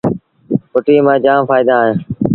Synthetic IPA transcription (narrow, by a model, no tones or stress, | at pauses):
pʊʈiːmãːd͡ʒãːmfaːɪd̪aːɦẽː